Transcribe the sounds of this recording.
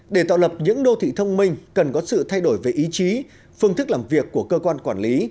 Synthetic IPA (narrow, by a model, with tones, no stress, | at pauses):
ɗe˧˩t̪a̰ː˧˨wlə˨˩p̚ɲɨ̰˧˥ŋɗo˧t̪ʰḭ˧˨t̪ʰə˧wŋ͡mmï˧ŋ̟kə˨˩nkɔ˨˦sɨ̰˧˨t̪ʰa˧jɗo˧˩jve˨˩ʔi˨˦t͡ɕi˨˦ | fɨ˧əŋt̪ɨ˦˥k̚laː˨˩mvi˨˩əkːu˧˩əkəː˧kwaː˧nkwaː˧˩nli˨˦